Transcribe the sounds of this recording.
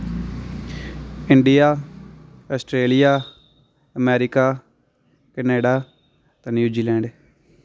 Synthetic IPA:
ɪɳɖɪjaː | ɔːsʈɾeːlɪjaː | əmɛːɾɪkaː | kəneːɖaː | t̪ãːnjuːd͡ʒiːlɛ̃ːɳɖ

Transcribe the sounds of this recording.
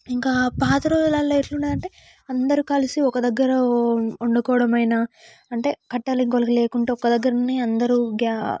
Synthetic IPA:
iŋkaːpaːt̪ɐɾoːlɐːlːɐeʈluɳɖaːɾɐɳʈeː | ɐnd̪ɐɾikɐlisiɔkɐd̪ɐɡːɐɾɐuɳɖukɔːʋɐɽɐmɐjna | ɐɳʈe̞ːkɐʈːɐlɐŋkolɐkile̞ːkuɳʈeːɔkːɐd̪ɐɡːɐɾɐniɐnd̪ɐɾuɡa

